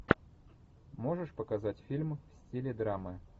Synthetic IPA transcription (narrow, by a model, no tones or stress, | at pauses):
moʐɨʂpəkazatʲfʲilʲmfsʲtʲilʲɪd̪ɾamɨ